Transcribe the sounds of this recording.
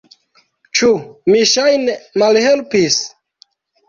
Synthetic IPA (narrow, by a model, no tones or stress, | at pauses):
t͡ʃumiʃajnemalhelpis